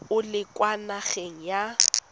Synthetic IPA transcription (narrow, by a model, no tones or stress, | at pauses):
ʊlɪkʼwanaɣeŋ̩ja